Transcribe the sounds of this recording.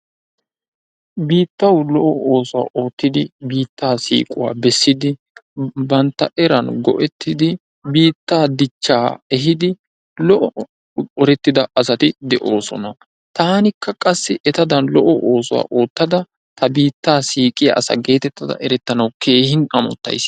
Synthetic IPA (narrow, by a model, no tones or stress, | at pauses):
biːt̪ːɐwlɔʔɔoːsʊwa̰ːʔo̞ːt̪ːɪd̪ɪbiːt̪ːaːsḭːkʼʊwa̰ːbɛsːɪd̪ɪ | bɐnt̪ːɐ̰ʔɛɾɐnɡɔ̰ʔɛt̪ːɪd̪ɪ | biːt̪ːaːd̪ɪt͡ʃːaːɛɦɪd̪ɪ | lɔʔɔ | ɔɾɛt̪ːɪd̪ɐɐsɐt̪ɪd̪ɛʔo̞ːsɔ̰nɐ | t̪aːnɪkʰːɐkʼɐsːɪʔɛt̪ɐd̪ɐnlɔʔɔʔoːsʊwa̰ːʔo̞ːt̪ːɐd̪ɐ | t̪ɐbiːt̪ːaːsiːkʼɪjɐ̰ʔɐsɐ̰ɡe̞ːt̪ɛt̪ːɐd̪ɐ̰ʔɛɾɛt̪ːɐnɐwkʰe̞ːhɪnɐmɔ̰t̪ːɐ̰js